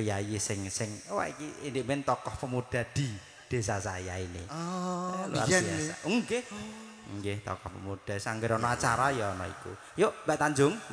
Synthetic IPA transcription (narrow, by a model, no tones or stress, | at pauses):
jajisɪŋsɪŋwa̰ikiind̪ɪʔ̚mɪnt̪ɔkɔhpəmud̪̥a̤d̪̥i̤ | d̪̥e̤sasajainɪ | lṵa̰riasa̰uŋɡeh | ŋɡeht̪ɔ̰kɔhpə̰mud̥a̤saŋɡɪɾɔnɔat͡ʃaɾajɔːnɔ̰ḭkṵ | joʔmbɛʔt̪aɲd͡ʒʊŋ